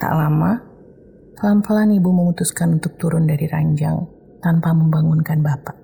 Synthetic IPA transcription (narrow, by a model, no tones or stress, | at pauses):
t̪a̰ʔlama | pəlampəlanibuməmut̪uskanunt̪ʊk̚t̪uɾʊndaɾiɾa̰ɲd͡ʒa̰ŋ | t̪ampaməmbaŋʊnkanbapaʔ